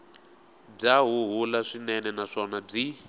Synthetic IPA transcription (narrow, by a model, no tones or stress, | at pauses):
b͡ʐaɦuɦulaʂinɛnɛnaʂɔnab͡ʐi